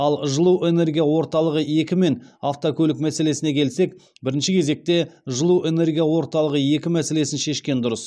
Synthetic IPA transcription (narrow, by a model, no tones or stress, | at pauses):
ɑlˠʒəlˠuʔe̞ne̞rɡʲijawo̞ɾt̪ɑlˠəʁəje̞kʲɪme̞naft̪okʲʰɵlɪkmæse̞le̞sɪne̞kʲʰe̞lse̞k | bɪɾɪnʃɪkʲʰe̞ze̞k̚t̪e̞ʒəlˠue̞ne̞rɡʲijawo̞ɾt̪ɑlˠəʁəje̞kʲɪmæse̞le̞sɪnʃe̞ʃkʲe̞nd̪ʊɾəs